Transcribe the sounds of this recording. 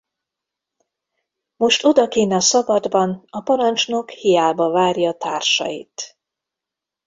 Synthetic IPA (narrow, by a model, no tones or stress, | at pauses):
mo̞ʃt̪o̞d̪ɒkeːnɛɒsɒvɒd̪bɒnɒpɒɾɒnt͡ʃno̞khijaːbɒvaːrjɒːt̪aːrʃɒ̰jḭt̪